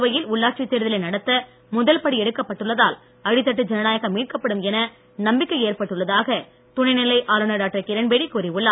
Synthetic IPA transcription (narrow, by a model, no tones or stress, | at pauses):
ʋɐjɪlʊɭːaːʈt͡ʃit̪ːeːɾɯðɐlɐnɐɽɐt̪ːɐ | mʊðɐlpɐɽiɛɽɯkːɐpːɐʈːɯɭːɐðaːl | ɐɻɪt̪ːɐʈ̬ːɯd͡ʒɛnɐnaːjɐɣɐmːiːʈ̚kɐpːɐɽɯmɛnɐ | nɐmbɪkːɐɪeːrpɐʈːɯɭːɐðaːɣɐ | t̪ʊɳɐɪnɪlːɐɪʔaːlɯnɐɾaːʈːɾɐkːɪɾɐnbeːɽikːuːɾiʋʊɭːa